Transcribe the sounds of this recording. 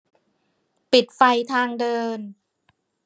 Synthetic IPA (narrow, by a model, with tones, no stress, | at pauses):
pi˨˩t̪̚fa˧jt̪ʰaː˧ŋdɤː˧n